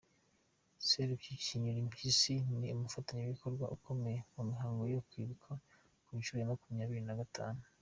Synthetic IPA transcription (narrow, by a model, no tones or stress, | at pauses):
seɾuciciɲuɾimpisiniumufataɲeβiko̞ɾɡwa̰ʔuko̞me̞jemumiɦaːŋɡo̞jokwiːβukʰa | kuinʃuɾjamakumiɲaːβiɾinaɡatʰa̰ːnu